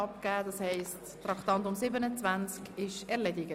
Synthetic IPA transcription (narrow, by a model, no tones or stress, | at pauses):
ɑp̚kæːdɑshɛɪsttɾɑktɑntʊmsɪbənət͡svænt͡skɪʃɛɐlɛdɪɡə